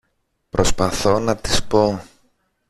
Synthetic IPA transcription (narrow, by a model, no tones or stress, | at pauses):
pɾo̞spɐθo̞nɐt̪i̥spo̞